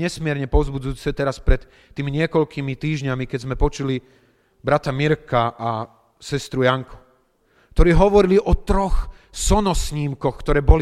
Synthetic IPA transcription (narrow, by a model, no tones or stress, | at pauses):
ɲɛsmɪɛɾɲɛpɔʊzbud͡zujuːt͡sɛt̪ɛɾaspɾɛt̪ː | iːmiɲɪɛkɔʎkimit̪iːʒɲamikɛzmɛpɔt͡ʃuli | bɾat̪amiɾkaʔa | sɛst̪ɾujaŋku̥ | kt̪ɔɾiːɦɔʋɔɾiliʔɔt̪ɾɔx | sɔnɔsɲiːmkɔxkt̪ɔɾɛːbɔli